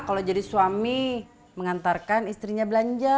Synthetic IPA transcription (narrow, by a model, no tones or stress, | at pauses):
kalod͡ʒadisuami | məŋant̪arkanist̪ɾiɲabəlaɲd͡ʒa